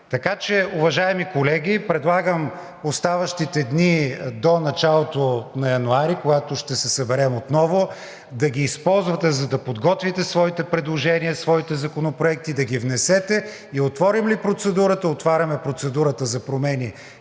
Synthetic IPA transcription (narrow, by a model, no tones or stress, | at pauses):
t̪ɐkat͡ʃɛuvɐʒaɛmikolɛɡʲipɾɛd̪lˠaɡəm | ost̪avɐʃt̪it̪ɛd̪nid̪onɐt͡ʃalˠot̪onɐjɐnʊaɾikoɡat̪ʊʃt̪ɛsɛsɐbɛɾɛmot̪nɔvʊ | d̪ɐɡʲiːspɔlˠzvɐt̪ɛzɐd̪ɐpod̪ɡɔt̪vit̪ɛsvɔit̪ɛpɾɛd̪lˠoʒɛniəsvɔit̪ɛzɐkonopɾoɛk̚t̪id̪ɐɡʲivnɛsɛt̪ɛ | iot̪vɔɾimlipɾot̪sɛd̪uɾət̪əot̪vaɾʲɐmɛpɾot̪sɛd̪uɾət̪əzɐpɾomɛni